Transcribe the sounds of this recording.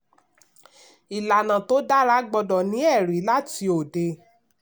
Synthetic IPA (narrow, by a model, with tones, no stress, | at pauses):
i˨la˨nã˨to˦da˦ɾa˦ɡ͡bɔ˧dɔ˨nĩ˨˦ɛ˦˨ɾi˨˦la˦ti˧o˨de˧˦